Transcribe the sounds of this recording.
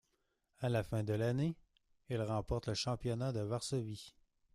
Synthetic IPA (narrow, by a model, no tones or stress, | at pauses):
alafɛ̃d̪əlane | ilʁɑ̃pɔʁt̪ləʃɑ̃pjɔnad̪əvaʁsɔvi